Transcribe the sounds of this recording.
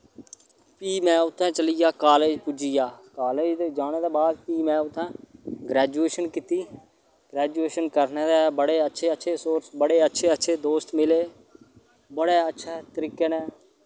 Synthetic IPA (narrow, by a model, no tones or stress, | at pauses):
piːmɛ̃ːʊt̪ʰːãːt͡ʃəlijaːkaːleːd͡ʒpud͡ʒijaːkaːleːd͡ʒd̪eːd͡ʒaːɳeːd̪eːbaːd̪piːmɛ̃ːʊt̪ʰːãːɡɾɛːd͡ʒueːʃənkit̪iː | ɡ̥ɾɛːd͡ʒueːʃənkəɾneːd̪eːbəɽeːətːʃʰeːətːʃʰeːsoːɾsbəɽeːətːʃʰeːətːʃʰeːd̪oːst̪mɪleː | bəɽeːətːʃʰɛːt̪əɾiːkeːnɛ̃ː